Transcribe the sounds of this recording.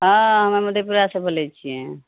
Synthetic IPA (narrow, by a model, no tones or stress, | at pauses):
ɦãɦəmaməd̪ʱjepɾijasəbʱəlɛt͡ʃʰijɛ̃